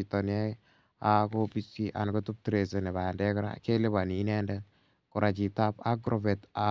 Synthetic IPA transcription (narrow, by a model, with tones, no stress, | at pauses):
i˨tɔ˨nɛ˦ | a˦ko˦pi˦si˦ʔa̰˨nko˦tu˦p̚tɾe˨se˨ne˨ba˨a˨ndɛ˦kɾa̰˦ke˦le˦ba˨ni˨˦nɛ˦ndɛ˦ | ku˨ɾʔa˨t͡ʃi˨ta˦pa˦ɡɾo˨vɛ˨ta˨